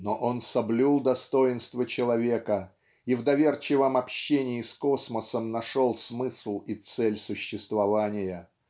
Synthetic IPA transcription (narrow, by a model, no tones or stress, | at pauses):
noʔo̞nsɐblʲulˠd̪ɐst̪o̞ɪnst̪vət͡ɕɪlˠɐvʲe̞kə | ivd̪ɐvʲe̞rt͡ɕɪvəmɐpɕːenʲɪɪsko̞sməsəmnɐʂo̞lˠsmɨslˠit̪sɛlʲsʊɕːɪst̪vɐvanʲɪjə